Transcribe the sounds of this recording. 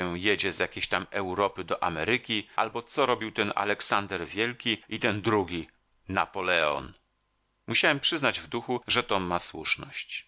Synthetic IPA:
ɛjed͡ʑɛzjakʲeɕt̪amɛwɾɔpɘd̪ɔʔamɛɾɘkʲiʔa̰lbɔt̪sɔɾɔbʲiwt̪ɛna̰lɛksand̪ɛɾvʲjɛlkʲiit̪ɛnd̪ɾuɡʲi | na̰pɔlɛɔ̰n | muɕawɛmpʂɘznad͡ʑvd̪uxuʐɛt̪ɔmːaswṵʂnɔɕt͡ɕ

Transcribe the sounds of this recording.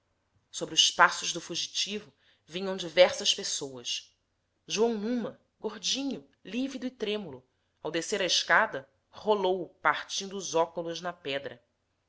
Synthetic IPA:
sobɾiʊʃpasʊʒd̪ʊfuʒit͡ʃivʊ | vĩɲɐ̃w̃d͡ʒivɛɾsɐspesowɐʃ | ʒuɐ̃w̃nũmɐ | ɡoɾd͡ʒĩɲʊ | livid̪ʊɪt̪ɾẽmulʊ | awd̪eseɾɐiʃkad̪ɐ | holowpaɾt͡ʃĩnd̪ʊːzɔkulʊʒnɐpɛd̪ɾɐ

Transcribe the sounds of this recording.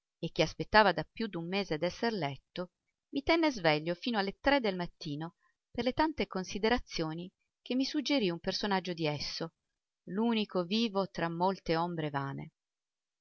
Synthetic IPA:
ek̟ːeaspet̪ːaːvad̪apjud̪umːeːzead̪ɛsːerlɛt̪ːo | mit̪ɛnːezvɛʎːofiːnoalːet̪ɾed̪ːelmat̪ːiːno | perlet̪ant̪ekonsid̪eɾat̪sːjoːni | kemːisud͡ʒːeɾiumpersonad͡ʒːod̪iɛsːo | luːnikoviːvot̪ɾamːolt̪eombɾevaːnḛ

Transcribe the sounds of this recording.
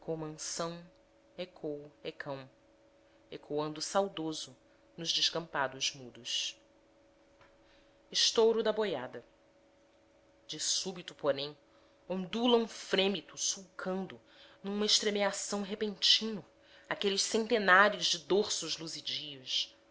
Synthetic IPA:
kõmɐ̃sɐ̃w̃ | ekʰowekʰɐ̃w̃ | ekʰoɐ̃nd̪ʊsawd̪ozʊ | nʊzd͡ʒɪʃkɐ̃mpad̪ʊzmud̪ʊs | iʃt̪owɾʊd̪ɐbojad̪ɐ | d͡ʒɪsubit̪ʊ̥poɾẽj̃ | õd̪ulɐ̃ũfɾẽmit̪ʊsuwkʰɐ̃nd̪ʊ | nũmɐeʃt̪ɾemeasɐ̃w̃ɦepẽnt͡ʃĩnʊ | akelɪʃsẽnt̪enaɾijʊzd͡ʒɪd̪oɾsʊʒluzid͡ʒius

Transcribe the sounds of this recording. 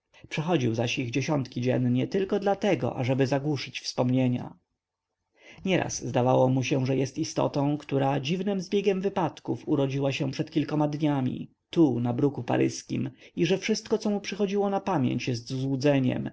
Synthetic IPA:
pʂɛxɔd͡ʑiwzaɕiɣd͡ʑeɕɔnt̪kʲid͡ʑɛ̰nɲɛt̪ɘlkɔd̪lat̪ɛɡɔ̰ʔa̰ʐɛbɘzaɡwuʂɘt͡ɕfspɔmɲeɲa̰ | ɲɛɾʔa̰szːd̪avawɔmuɕɛʐɛjɛst̪ist̪ɔ̰t̪ɔ̃w̃kt̪uɾad͡ʑivnɘmzbʲjeɡʲɛmvɘpat̪kufuɾɔd͡ʑiwaɕɛ̃pʂɛt̪kʲilkɔmad̪ɲamʲḭ | t̪unabɾukupa̰ɾɘ̰skʲḭmiʐɛfʂɘst̪kɔt̪sɔmupʂɘxɔd͡ʑiwɔnapamʲjḛɲt͡ɕjɛst̪zuzwud̪zɛɲɛ̰m

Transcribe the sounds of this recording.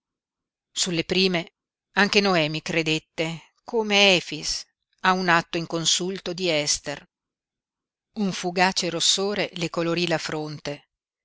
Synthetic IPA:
sulːepɾiːme | aŋk̟enoɛːmikɾed̪et̪ːe | kʰoːmeɛːfis | aunat̪ːoiŋkonsult̪od̪iɛst̪er | uɱfuɡaːt͡ʃeɾosːoːɾelekoloɾilafɾont̪e

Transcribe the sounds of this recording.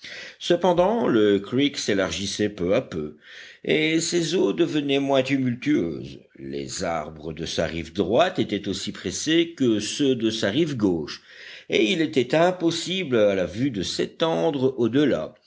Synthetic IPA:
səpɑ̃d̪ɑ̃ləkʁikselaʁʒisɛpøapøesezod̪əvənɛmwɛ̃t̪ymylt̪yø̰ːz | lḛza̰ʁbʁəd̪əsa̰ʁivd̪ʁwat̪et̪ɛt̪osipχesekəsød̪əsaʁivɡoːʃeilet̪ɛt̪ɛ̃pɔsiblalavyd̪əset̪ɑ̃d̪ʁod̪əla̰

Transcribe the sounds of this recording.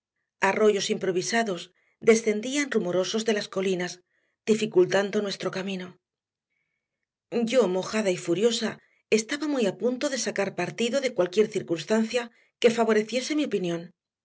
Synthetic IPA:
aro̞ʝo̞simpɾo̞β̞isaðo̞z | d̪e̞sθe̞nd̪ianrumoɾo̞so̞zðe̞lasko̞linas | d̪̥ifikult̪and̪o̞nwe̞st̪ɾo̞kamĩno̞ | ɟ͡ʝo̞mo̞xaðaifuɾjo̞sa | e̞st̪aβamujapunt̪o̞ðe̞sakaɾpaɾt̪iðo̞ðe̞kwalkje̞ɾθiɾkunst̪anθja | ke̞faβ̞o̞ɾe̞θje̞se̞miopinjõ̞n

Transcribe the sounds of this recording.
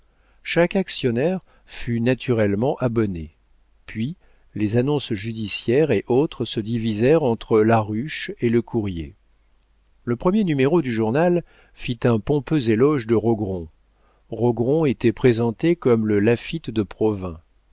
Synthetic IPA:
ʃakaksjɔnɛʁ | fynat̪ʰyʁɛlmɑ̃ʔabɔne | pɥi | lezanɔ̃sʒyd̪isjɛʁeʔot̪χəsəd̪ivizɛʁɑ̃t̪χəlaʁyʃeləkʰuʁjḛ | ləpχəmjenymeʁod̪yʒuʁnal | fit̪ɛ̃pɔ̃pøzelɔʒd̪əʁɔɡʁɔ̃ | ʁɔɡʁɔ̃et̪ɛpχezɑ̃t̪ekɔmləlafit̪d̪əpχɔvɛ̃

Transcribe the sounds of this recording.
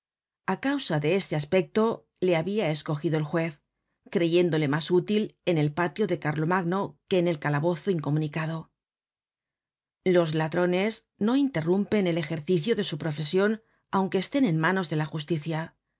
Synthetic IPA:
akawsaðe̞e̞st̪e̞aspe̞k̚t̪o̞ | le̞aβiaesko̞xiðo̞elxwe̞θ | kɾe̞ʝe̞nd̪o̞le̞masut̪ile̞ne̞lpat̪jo̞ðe̞kaɾlo̞maɣno̞ke̞ːne̞lkalaβ̞o̞θoiŋko̞mũnikaðo̞ | lo̞zlaðɾo̞ne̞z | no̞int̪e̞rumpe̞ne̞le̞xe̞ɾθiθjoðe̞supɾo̞fe̞sjo̞n | awŋke̞ːst̪e̞ne̞nmano̞zðe̞laxust̪iθja

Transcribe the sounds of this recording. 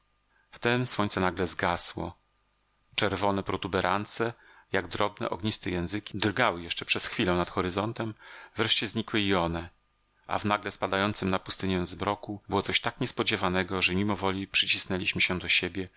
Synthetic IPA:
ft̪ɛmswɔɲ̃t̪sɛnaɡlɛzɡaswɔ̰ | t͡ʂɛɾvɔnɛpɾɔt̪ubɛɾʔant̪sɛ | jaɡd̪ɾɔbnɛ̰ʔɔ̰ɡɲist̪ɛjɛ̃w̃zɘkʲid̪rɡawɘjɛʂt͡ʂɛpʂɛsxfʲilɛwnat̪xɔɾɘzɔnt̪ɛmvɾɛʂt͡ɕɛzɲikwɘiɔnɛ | ʔa̰vnaɡlɛspad̪ajɔnt̪sɘmnapu̥st̪ɘɲɛ̃zbɾɔkubɘwɔt̪sɔɕt̪akɲɛspɔd͡ʑevanɛɡɔʐɛmʲimɔvɔlʲipʂɘt͡ɕisnɛlʲiɕmɘɕɛ̃d̪ɔɕebʲjɛ

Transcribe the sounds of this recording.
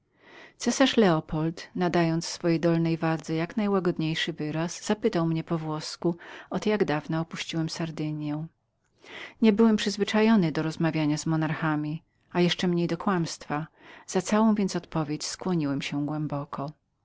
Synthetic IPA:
t̪sɛsaʂlɛɔpɔlt̪nad̪ajɔnt̪ssfɔjejd̪ɔlnɛjvad̪zɛjaknajwaɡɔd̪ɲejʂɘvɘɾasz̥apɘt̪awmɲɛpɔvwɔskuɔt̪jaɡd̪avnaɔpuɕt͡ɕiwɛmsaɾd̪ɘɲjɛw̃ | ɲɛbɘwɛmpʂɘzvɘt͡ʂajɔnɘd̪ɔɾɔzmavʲjaɲazmɔnaɾxamʲi | ajɛʂt͡ʂɛmɲejd̪ɔkwamst̪fa | z̥at̪sawɔ̃w̃vʲjɛntsɔt̪pɔvʲjet͡ɕskwɔɲiwɛmɕɛɡwɛmbɔkʰɔ

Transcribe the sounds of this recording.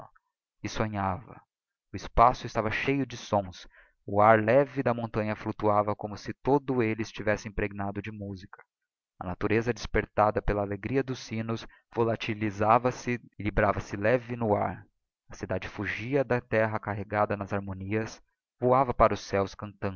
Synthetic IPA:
ɪsõɲavɐ̰ | ʊɪspasʊɪst̪avɐʃejʊd͡ʒɪsõs | ʊaɾlɛvɪd̪ɐmõnt̪ɐ̃ɲɐflut̪uavɐkõmʊsɪt̪od̪ʊelɪɪst͡ʃivɛsɪĩpɾeɡinad̪ʊd͡ʒɪmuzikɐ̥ | ɐ̰nat̪uɾezɐd͡ʒɪspeɾt̪ad̪ɐpelɐːleɡɾiɐd̪ʊsːĩnʊs | volat͡ʃilizavɐsɪlibɾavɐsɪlɛvɪnʊa̰ɾ | ɐsid̪ad͡ʒɪfuʒiɐd̪ɐt̪ɛɦɐkaɦeɡad̪ɐnɐzaɾmõniɐs | vuavɐpaɾʊsɛwskɐ̃nt̪ɐ̃n

